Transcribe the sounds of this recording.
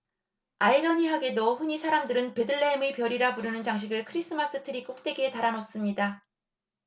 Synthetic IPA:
aiɾʌɲiɦaɡe̞doɸuɲisʰaɾamdɯɾɯnpe̞dɯɭːeːmepjʌɾiɾapuɾɯnɯnt͡ɕaŋɕ̬ʰiɡɯɭkʰɯɾis͈ʰɯmas͈ɯtʰɯɾik͈ok̚t͈e̞ɡe̞taɾanos͈ɯmɲida

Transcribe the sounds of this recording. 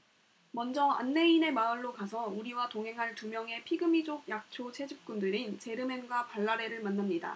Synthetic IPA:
mʌnd͡ʑʌa̰nːe̞ine̞maɯɭːokasʰʌuɾiwatoŋɦe̞ŋɦaɭtumjʌŋe̞pʰiɡɯmid͡ʑoɡ̚jak̚t͡ɕʰot͡ɕʰe̞d͡ʑip̚k͈undɯɾint͡ɕe̞ɾɯme̞nɡwapaɭːaɾe̞ɾɯɭmanːamɲida̰

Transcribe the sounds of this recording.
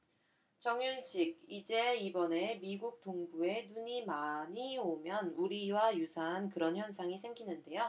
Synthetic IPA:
t͡ɕʌŋjunɕʰiɡ̚id͡ʑe̞ibʌne̞miɡuk̚t͈oŋbue̞nuɲimaɲiomjʌnuɾiwajusʰaɦankɯɾʌnçjʌnsʰaŋisʰe̞ŋɡinɯnde̞jo

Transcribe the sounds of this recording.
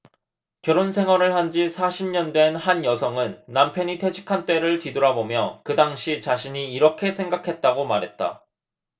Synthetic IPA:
kjʌɾonsʰe̞ŋɦwaɾɯɭhand͡ʑisʰaɕʰimɲʌndwe̞nhanjʌsʰʌŋɯnːampʰjʌɲitʰe̞d͡ʑʰi̥kʰant͈we̞ɾɯɭtidoɾabomjʌkɯdaŋɕʰit͡ɕaɕʰiɲiːɾʌkʰe̞sʰe̞ŋɡakʰe̞t̚t͈aɡomaɾɦe̞t̚t͈a̰

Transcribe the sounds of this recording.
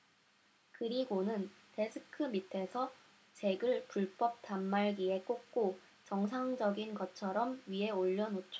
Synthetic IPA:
kɯɾiɡonɯnte̞sʰɯkʰɯmitʰe̞sʰʌ | t͡ɕe̞ɡɯɭpuɭp͈ʌp̚tamːaɭɡie̞k͈ok̚k͈o | t͡ɕʌŋs̬ʰaŋd͡ʑʌɡinɡʌt͡ɕʰʌɾʌmɥiɦe̞oʎːʌnot͡ɕʰo

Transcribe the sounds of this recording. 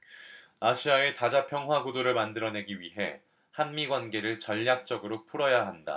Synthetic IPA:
aɕʰiae̞tad͡ʑapʰjʌŋɦwaɡudoɾɯɭmandɯɾʌne̞ɡiɥiɦe̞ | hanmiɡwanɡe̞ɾɯɭt͡ɕʌʎːak̚t͡ɕ͈ʌɡɯɾopʰuɾʌjaɦanda̰

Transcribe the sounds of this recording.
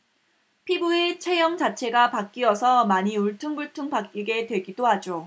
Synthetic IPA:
pʰibuet͡ɕʰe̞jʌŋt͡ɕat͡ɕʰe̞ɡapak͈iʌsʰʌmaɲiuɭtʰuŋbuɭtʰuŋpak͈iɡe̞twe̞ɡidoɦad͡ʑo

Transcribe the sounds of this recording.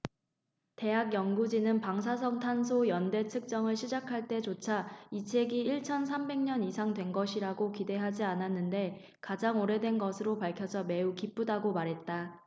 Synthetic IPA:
te̞ɦaɡjʌŋɡud͡ʑinɯnpaŋs̬ʰas̬ʰʌŋtʰansʰojʌnde̞tʰɯk̚t͡ɕ͈ʌŋɯɭɕʰid͡ʑakʰaɭt͈e̞t͡ɕot͡ɕʰait͡ɕʰe̞ɡiiɭt͡ɕʰʌns̬ʰambe̞ŋɲʌnisʰaŋdwe̞nɡʌɕʰiɾaɡokide̞ɦad͡ʑiananːɯnde̞ | kad͡ʑaŋoɾe̞dwe̞nɡʌsʰɯɾopaɭkʰjʌsʰʌme̞ukip͈udaɡomaɾɦe̞t̚t͈a

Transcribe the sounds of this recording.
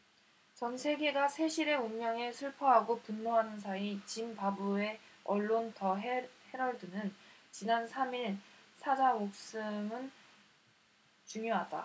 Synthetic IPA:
t͡ɕʌnsʰe̞ɡe̞ɡasʰe̞ɕʰiɾe̞unmjʌŋe̞sʰuɭpʰʌɦaɡopunːoɦanɯns̬ʰait͡ɕimpabue̞ʌɭːontʌɦehe̞ɾʌɭdɯnɯnt͡ɕinansʰamiɭsʰad͡ʑamok̚s͈ɯŋɯn | t͡ɕuŋjoɦada̰

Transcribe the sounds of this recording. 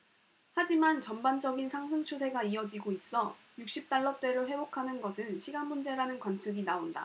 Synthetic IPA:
had͡ʑimant͡ɕʌmband͡ʑʌɡinsʰaŋsʰɯŋt͡ɕʰusʰe̞ɡaiʌd͡ʑiɡois͈ʌ | juk̚ɕ͈ip̚t͈aɭːʌt͈e̞ɾoɸe̞bokʰanɯnɡʌsʰɯnɕʰiɡanmund͡ʑe̞ɾanɯnkwant͡ɕʰɯɡinaonda̰

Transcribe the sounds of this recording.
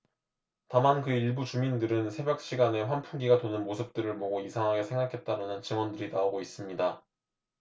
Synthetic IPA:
tamankɯiɭbut͡ɕumindɯɾɯnsʰe̞bjʌk̚ɕ͈iɡane̞ɸwanpʰunɡiɡatonɯnmosʰɯp̚t͈ɯɾɯɭmoɡoisʰaŋɦaɡe̞sʰe̞ŋɡakʰe̞t̚t͈aɾanɯnt͡ɕɯŋwʌndɯɾinaoɡois͈ɯmɲida

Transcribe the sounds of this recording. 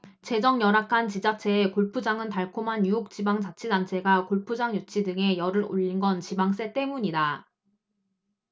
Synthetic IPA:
t͡ɕe̞d͡ʑʌŋjʌɾakʰant͡ɕid͡ʑat͡ɕʰe̞ːkoɭpʰud͡ʑaŋɯntaɭkʰomanjujok̚t͡ɕ͈ibaŋd͡ʑat͡ɕʰidant͡ɕʰe̞ɡakoɭpʰud͡ʑaŋjut͡ɕʰidɯŋe̞jʌɾɯɾo̰ʎːinɡʌnt͡ɕibaŋs͈e̞t͈e̞muɲida

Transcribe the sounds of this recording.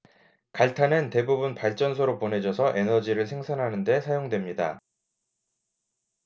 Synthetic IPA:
kaɭtʰanɯnte̞bubunpaɭt͡ɕ͈ʌns̬ʰʌɾop͈one̞d͡ʑʌsʰʌʔe̞nʌd͡ʑiɾɯɭsʰe̞ŋsʰanɦanɯnde̞sʰajoŋdwe̞mɲida̰

